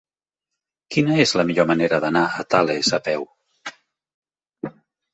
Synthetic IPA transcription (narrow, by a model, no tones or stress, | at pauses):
kinəezləmiʎoməneɾəðənaət̪alezəpɛw